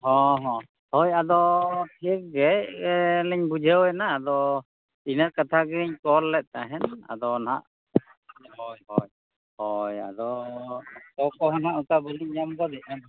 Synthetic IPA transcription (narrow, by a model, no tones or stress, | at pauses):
hɔ̃ɦɔ̃ | hɔjad̪ɔp̪ʰiɛk̚ɡɛ | lɛɲbud͡ʒʱəwɛnaːd̪ɔ | inaɾkat̪ʰaɡɛɾiɲkɔlːɛt̪̚ˀt̪aɦɛna̰d̪ɔna̰ʔ | ɔjɦɔj | hɔja̰d̪ɔ | t̪ɔkɔɦɔnɦaʔukabɔliɲɲamɡɔd̪ɛʔ̚an